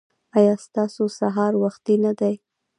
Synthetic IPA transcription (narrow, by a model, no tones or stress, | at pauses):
ɑjɑst̪ɑsosaɦɑɾwaxt̪inad̪aj